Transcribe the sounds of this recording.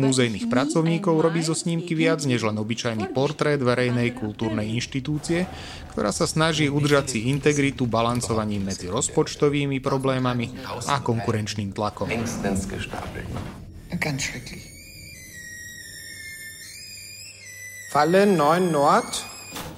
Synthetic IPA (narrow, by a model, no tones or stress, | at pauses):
muzɛjniːxpɾat͡sɔʊɲiːkɔʊɾɔbiːzɔsɲiːmkiʋɪad͡zɲɛʒlɛnɔbit͡ʃajnipɔɾt̪ɾɛːd̪ʋɛɾɛjnɛjkult̪uːɾnɛjinʃt̪it̪uːt͡siɛ | kt̪ɔɾʔa̰ːsasnaʒiːud̪r̩ʒat͡siint̪ɛɡɾit̪ubalant͡sɔʋaɲiːmːɛd͡ziɾɔspɔt͡ʃt̪ɔʋiːmipɾɔblɛːmamiakɔŋkuɾɛnt͡ʃniːmt̪lakɔmɛŋstɛsɡəʃta̰t | ɡanʃʋɛkli | falənːɔʏnːɔɐt